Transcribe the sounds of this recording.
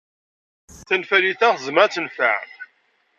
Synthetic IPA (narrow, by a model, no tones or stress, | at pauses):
θænfæliθæʁəzmæt͡sːənfæ̰ʕ